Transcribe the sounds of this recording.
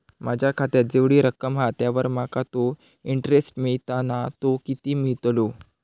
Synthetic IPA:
mad͡ʑʱjakʰat̪eɾd͡zeʋɽiːɾəkəmɦat̪jaʋəɾmakat̪o | iɳʈɾesʈmiɭt̪anat̪okit̪iːmiɭt̪lo

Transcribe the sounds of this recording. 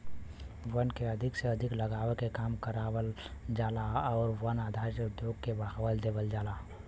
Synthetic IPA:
ʋənkeəd̪ʱɪkseəd̪ʱɪkləɡaːʋekekaːmkəɾaːwəld͡ʒaːlaɔːɾʋənaːd̪ʱaːɾseʊd̪joɡ̚kebaɦʋəld̪eːʋəld͡ʒaːlaː

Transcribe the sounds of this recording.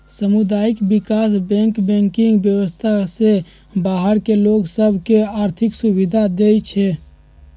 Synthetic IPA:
səmud̪aikbikasbɛ̃ŋkbɛ̃ŋkiŋɡbjəwəst̪ʰase | baɦəɾkeloɡsəbʱkeaɾt̪ʰiksubid̪ʱad̪et͡ʃʰɛ

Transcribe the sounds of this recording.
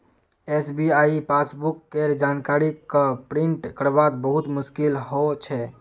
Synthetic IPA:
esbiaːipasbukːeɾd͡ʒaːnkaɾikapɾɪ̃ɳʈkəɾbaːt̪bəɦʊt̪mʊʃkɪlɦot͡ʃʰɛ

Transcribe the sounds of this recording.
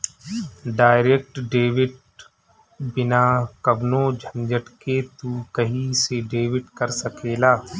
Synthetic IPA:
ɖaːɪɾeːk̚ʈɖeːʋɪʈ | bɪnaːkɐbnõd͡ʒʱə̃nd͡ʒəʈket̪uːkɐɦiseɖeːʋɪʈkɐɾsɐkʰeːlaː

